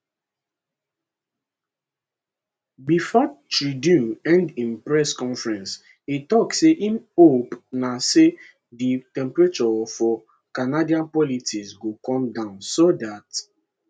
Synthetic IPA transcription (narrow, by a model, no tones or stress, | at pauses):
bifɔtɹidjũɛ̃ndĩnpɹɛskɔ̃nfɹɛ̃ns | itɔkseʔĩmopnase | ditɛ̃mpɹet͡ʃɔfɔ | kanadiãnpɔlitisɡokɔ̃mdãʊ̃nsodat